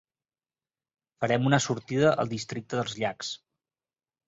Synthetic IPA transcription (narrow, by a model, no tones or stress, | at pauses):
fəɾɛmunəsuɾt̪iðəʔə̰lˠd̪ist̪ɾik̚t̪əðəlˠzʎaks